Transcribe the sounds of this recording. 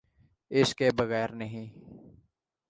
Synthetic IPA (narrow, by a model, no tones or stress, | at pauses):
ɪskeːbəɣɛːɾnəɦĩː